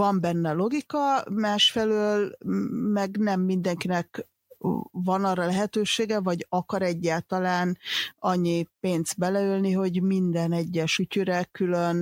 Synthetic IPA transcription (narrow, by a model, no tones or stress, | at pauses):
ɒmbɛnːɛlo̞ɡikɒmaːʃfɛløːlmɛɡnɛmːind̪ɛŋkinɛk | vɒnɒːrːɒlɛɦɛt̪øːʃeːɡɛvɒɟɒkɒɾɛɟːaːlt̪ɒlaːnɒɲːipeːnz̥t̪̚bɛlɛylniɦo̞ɟmind̪ɛnɛɟːɛʃucyɾɛkyløn